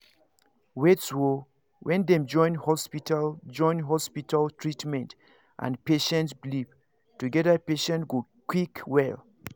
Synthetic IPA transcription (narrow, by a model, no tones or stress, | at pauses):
wetswo | wʔɛ̃ndɛ̃md͡ʒɔ̃ɪ̃nhɔspitad͡ʒɔ̃j̃nɦɔspitaltʰɹitmɛ̃nt | ʔã̰npeʃɛ̃ntsblip | tuɡɛðəpeʃɛ̃ntɡokwikwɛl